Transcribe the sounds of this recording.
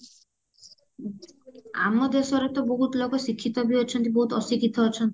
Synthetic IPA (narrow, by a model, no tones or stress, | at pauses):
a̰mɔd̪esɔɾet̪ɔboɦut̪lokɔsikʰːit̪ɔbiɔt͡ʃʰɔnt̪̬iboɦut̪ɔsikit̪ɔɔt͡ʃʰɔnt̪i̥